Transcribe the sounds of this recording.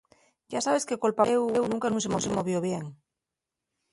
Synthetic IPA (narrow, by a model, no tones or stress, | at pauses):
ɟ͡ʝasaβe̞ske̞kolpaɣewewnũŋkanũŋsemosemoβ̞joβjeŋ